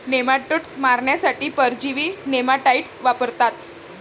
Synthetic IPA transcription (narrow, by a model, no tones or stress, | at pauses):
nemaʈəʈsmaɾɳjasaʈiːpəɾd͡ʑiʋiːnemaʈaiʈsʋapəɾt̪at̪